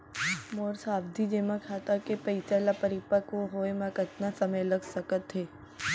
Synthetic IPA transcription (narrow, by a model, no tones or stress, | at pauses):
moːɾsaːbd̪ʱid͡ʒeːmãkʰaːt̪akepɐɪt͡ʃalapəɾɪpakoɦoːemãkət̪nasɐməjlɐɡsəkət̪ɦeː